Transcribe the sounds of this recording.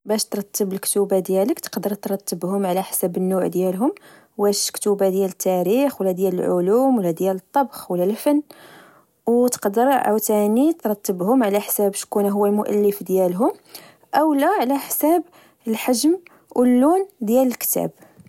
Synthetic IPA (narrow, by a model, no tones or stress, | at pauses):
bæʃt̪ɾˤɑt̪ːəbəlkt̪ubad̪jæləkt̪ə̥qd̪əɾˤt̪ɾˤɑt̪ːəbhʊmʕlæħsæbənːuʕd̪jælɦʊm | bæʃkt̪ubad̪jælət̪ːæɾixwəlːæd̪jæləlʕʊlumwəlːæd̪jælət̪ˤːɑbxwəlːælfənː | wt̪ə̥qd̪əɾʔə̰wt̪ænit̪ɾˤɑt̪ːəbhʊmʕlæħsæbʃkunɦʊwːælmʊʔæ̰lːəfd̪jælɦʊm | ʔəwlæʕlæħsæb | əlħaʒm | wʔəlːund̪jæləlkt̪æ̰b